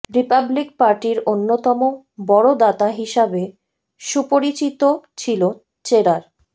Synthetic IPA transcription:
ɾipablik̚paɾʈiɾonːot̪ɔmo | bɔɽod̪at̪aɦiʃabe | ʃupoɾit͡ɕit̪ot͡ɕʰilo | t͡ɕeɾaɾ

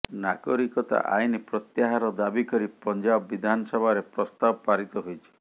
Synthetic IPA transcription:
naɡɔɾikɔt̪a̰ʔa̰jnipɾɔt̪jaɦaɾɔd̪abikɔɾipɔnd͡ʒabbid̪ʱanɔsɔbʱaɾepɾɔst̪abɔpaɾit̪ɔɦojt͡ʃʰi̥

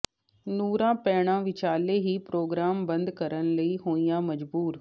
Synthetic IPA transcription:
nuːɾãːpɛːɽ̃ãːʋɪt͡ʃaːleːɦiːpɾoːɡɾaːmbənd̪kəɾənləiːɦoːijãːməd͡ʒbuːɾ

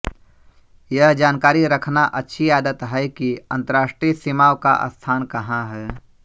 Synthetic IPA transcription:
jɐɦd͡ʒaːnkaːɾiɾəkʰnaʔɐtːʃʰiaːd̪ət̪ɦɛkiɐ̃nt̪əɾaːʃʈɾisimaːwka̰ʔə̰st̪ʰaːnkɐɦãɦɛː

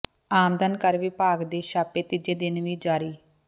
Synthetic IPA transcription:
aːmd̪ənkəɾʋiːpaːɡd̪eːʃaːpeːt̪id͡ʒeːd̪ɪnʋiːd͡ʒaːɾiː

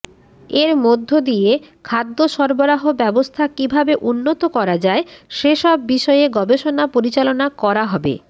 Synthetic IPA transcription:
eɾmod̪ʱːod̪iekʰad̪ːoʃɔɾboɾaɦobɛbost̪ʰakibʱabeʔunːot̪okɔɾad͡ʑaeʃeʃɔbːiʃɔeeɡɔbeʃonapoɾit͡ɕalonakɔɾaɦɔbḛ

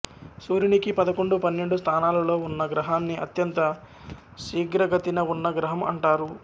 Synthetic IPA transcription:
suːɾinikipɐd̪ɐko̞ɳɖupɐnːe̞ɳɖust̪ʰaːnaːlɐlo̞ːunːɐɡɾɐɦaːnːiʔɐt̪jɐnt̪ɐ | ʃiːɡɾɐɡɐt̪inɐunːɐɡɾɐɦɐmɐ̰ɳʈaːɾu

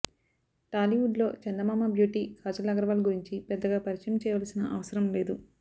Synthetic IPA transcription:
ʈaːliuɖlo̞ːt͡ʃɐnd̪ɐmaːmɐbʱjuːʈikaːd͡ʒɐlːɐɡɐɾɐʋaːlɡuɾiɲt͡ʃipɛd̪ːɐɡaːpɐɾiʂɐjɐmt͡ʃɛːjɐʋaːlɐsinɐʔɐʋɐsɐɾɐmle̞ːd̪u

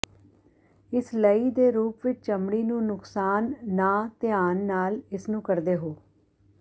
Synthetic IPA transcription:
ɪsləiːd̪eːɾuːpʋɪt͡ʃt͡ʃəmɽiːnũːnʊksaːnːaːt̪ɪjaːnːaːlɪsnũːkəɾd̪eːɦoː

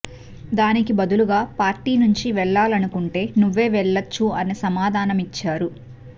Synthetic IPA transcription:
d̪aːnikibɐd̪uluɡaːpaːɾʈiːnuɲt͡ʃiʋɛɭːaːlɐnukuɳʈe̞ːnuʋːe̞ːʋɛɭːɐt͡ʃːuɐnesɐmaːd̪ʱaːnɐmit͡ʃːaːɾu

